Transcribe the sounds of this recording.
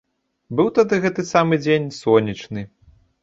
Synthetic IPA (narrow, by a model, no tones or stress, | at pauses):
bɨwt̪ad̪ɨɣɛt̪ɨsamɨd͡zʲenʲsɔnʲit͡ʂnɨ